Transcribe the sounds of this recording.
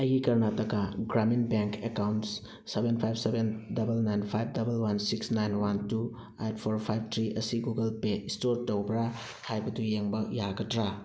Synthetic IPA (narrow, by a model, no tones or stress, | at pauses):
ɐjɡikɐɾnatɐkaɡɾaminbeŋkekawnts | sebenpʰajbsebendɐbɐlnajnpʰajb̚dɐbɐlwansiksnajnwantu | ejt̚pʰoɾpʰajb̚tʰɾiɐsiɡuɡɐlpeistoɾtɐwbɾa | hajbɐdujeŋbɐjaɡɐtɾa